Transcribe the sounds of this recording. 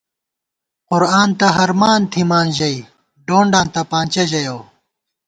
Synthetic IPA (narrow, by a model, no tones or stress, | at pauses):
qʊɾaːnt̪ɐɦɐɾmaːnt̪ʰimaːnʑɐi | ɖoːɳɖaːnt̪ɐpãːnt͡ɕɐʑɐjoː